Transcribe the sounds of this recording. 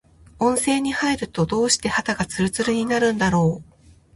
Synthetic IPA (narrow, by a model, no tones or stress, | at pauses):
õ̞ɰ̃se̞ːɲ̟ihaiɾɯ̟t̪o̞d̪o̞ːɕi̥t̪e̞hat̪aɡat͡sɨɾɯ̟t͡sɨɾɯ̟ɲ̟inaɾɯ̟̃nd̪aɾo̞ː